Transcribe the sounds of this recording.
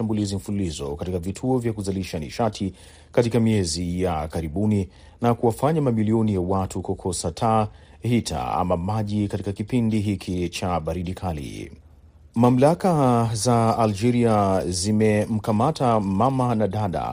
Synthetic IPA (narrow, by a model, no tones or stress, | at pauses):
ambulizim̩fululizɔ̰katikavitʰuɔvjakuzaliʃaniʃatʰi | katikamiɛzijakaɾiɓuni | nakuwafaɲamamiliɔnijawatʰukɔkʰɔsatʰa | hitʰa̰a̰mamaʄikatikakipindiɦikʰit͡ʃaɓaɾiɗikʰalḭ | mam̩lakazaːld͡ʒɛɾiazimɛm̩kamatamamanaɗaɗa̰